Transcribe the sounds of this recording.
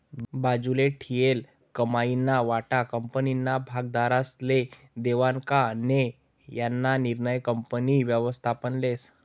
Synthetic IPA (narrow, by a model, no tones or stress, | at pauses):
bad͡zuleʈʰijel | kəmainːaʋaʈakəmpəninːabʱaɡd̪aɾasle | d̪eʋaŋkane | janːaniɾnəjkəmpəniʋjəʋəst̪ʰapənles